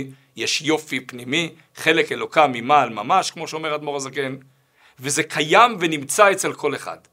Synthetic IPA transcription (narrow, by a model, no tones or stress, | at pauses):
jeʃjo̞fipnimi | χe̞lekelokamimaːlmamaʃkmo̞ʃeo̞me̞ʁad̪mo̞ʁazaken | veze̞kʰajamvenimt͡saet͡se̞lkʰo̞leχa̰d̥